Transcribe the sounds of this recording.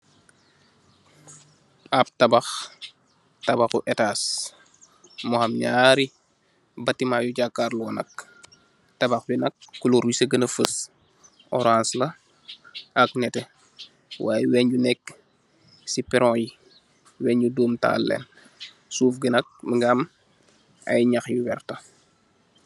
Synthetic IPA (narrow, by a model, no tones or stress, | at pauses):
ʔab̚tɐbɐx | tɐbaxuʔɛtaːs | mɔhamɲaːɾi | bɐtːimaːjuɟakːaɾluwɔnɐ̰k̚ | tɐbɐxbinɐk̚ːuloɾisəɡənɐfəs | ɔɾanslɐ | ʔɐk̚nɛtɛ | wa̰ːjɛwɛɲɟunɛkː | sipɛɾɔ̃ːji | wɛːɲɟuduːmta̰ːlːɛ̰n | suːfɡinɐk̚məŋɡam | ɐ̰jɲaxjuwɛrtɐ